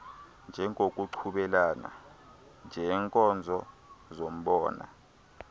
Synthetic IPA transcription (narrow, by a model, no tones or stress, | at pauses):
nd͡ʒʱɛŋok̬ʼuǀʰuɓɛlaːna̰ | nd͡ʒʱɛːŋkʼɔnd͡zʱɔ | zom̩ɓɔːna̰